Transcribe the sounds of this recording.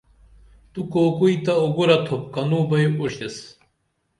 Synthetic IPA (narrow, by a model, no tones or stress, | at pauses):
t̪ukoːkujt̪ɐuɡuɾɐt̪ʰop̚kɐnubɐjuɕes